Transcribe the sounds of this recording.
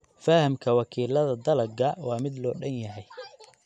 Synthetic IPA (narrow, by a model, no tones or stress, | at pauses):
fahɐmkʰɐwɑkʰiːlɐðɐd̪ɐlɐɡɐwɑːmɪd̪lɔːɖɐnjɐɦɛj